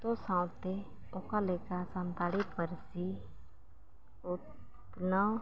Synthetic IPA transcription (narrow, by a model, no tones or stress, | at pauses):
t̪osãːw̃t̪e | okalekasant̪aːɽipəɾsi | ʊt | nə